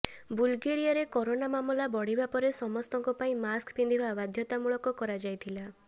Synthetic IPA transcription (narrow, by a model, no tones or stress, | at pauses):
bulɡeɾijaɾekɔɾonamamulabɔɽ̤ibapɔɾesɔmɔst̪ɔŋkɔpaĩmaskpʰind̪ʱibabad̪ʱjɔt̪amuɭɔkɔkɔɾad͡ʒajt̪ʰila